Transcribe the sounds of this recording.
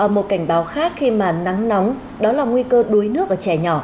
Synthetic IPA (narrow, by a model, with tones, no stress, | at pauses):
ʔəː˧˩mo˨˩t̚ka˧˩jŋ̟ɓaː˨˦wxaː˦˥k̚xi˧maː˨˩na˨˦ŋna˨˦wŋ͡m | ɗɔ˨˦laː˨˩ŋwi˧kəː˧ɗu˨˦jnɨ˦˥ək̚ʔəː˧˩t͡ɕɛ˧˩ɲɔ˧˩